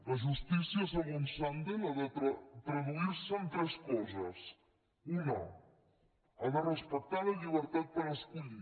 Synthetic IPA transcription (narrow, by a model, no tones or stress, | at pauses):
ləʒust̪isiəs̬əɣonsand̪elaðət̪ɾoðuiɾsənt̪ɾɛskɔzəs | unə̰ | aðərəspək̚t̪aləʎiβ̞əɾt̪at̪̚pəɾəskuʎi